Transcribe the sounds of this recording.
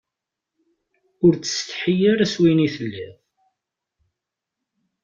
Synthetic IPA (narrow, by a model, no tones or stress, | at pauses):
ʊɾt͡sːə̥st̪ħijəɾæswiniθəlːiðˤ